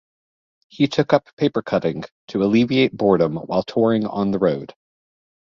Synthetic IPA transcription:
hitʰʊkʌpʰːeɪpə˞kʰʌɾɪ̃ŋtʰɨəlivieɪt̚b̥ɔɹɾə̃mwa̰ɪlˠtʰɔɹɪ̃ŋə̰̃nðəɹoʊd̥

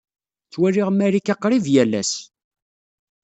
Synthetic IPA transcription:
t͡sːwæliʁmːæɾikɑqːɾivjælːæ̰s

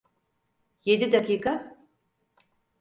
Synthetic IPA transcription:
je̞d̪id̪akiːkʰa

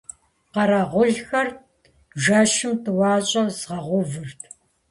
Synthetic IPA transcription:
qɐɾɐʁʷʊɮxɐr | ʒaʃɪmtʰɨwɑːɕʼɐzʁɐʁʷʊvɨrtʰ

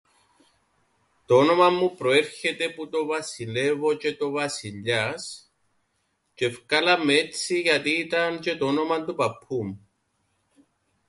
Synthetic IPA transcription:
t̪oono̞mamupɾoeɾçet̪eput̪o̞vasilevo̞t͡ʃet̪o̞vasiʎas | t͡ʃefkalamet͡sʰiʝat̪iːt̪ant͡ʃe̞t̪oono̞mand̪opapʰum

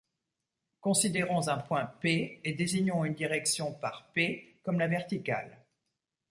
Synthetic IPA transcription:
kɔ̃sid̪eʁɔ̃zɛ̃pwɛ̃peed̪eziɲɔ̃ynd̪iʁɛksjɔ̃paʁpekɔmlavɛʁt̪ika̰l

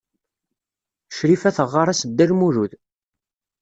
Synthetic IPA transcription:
ʃɾifæθəʁːaɾˤæsəd̪ːæɾmuɾuð

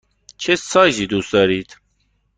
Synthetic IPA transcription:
t͡ʃʰesɑːʑiːd̪uːsd̪ɑːɾiːd̪

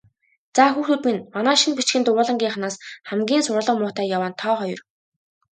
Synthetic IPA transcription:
t͡saːxuːxŭt̪minmanæːʃinpit͡ɕɡɘ̆nt̪ʊʊːɮə̆ŋɡʲiːɴχnaːsχæmɡʲiːnsʊɾə̆ɮə̆qmʊːt̪æːjawaːnt̪ʰɔːχɔjɞ̆r

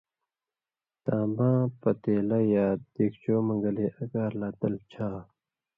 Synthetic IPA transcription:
t̪aːmãːpɐt̪eːlɐjaːd̪̥eːkt͡ɕoːmɐŋɡɐleʔɐɡaːɾlaːt̪ɐlt͡ɕʰaː

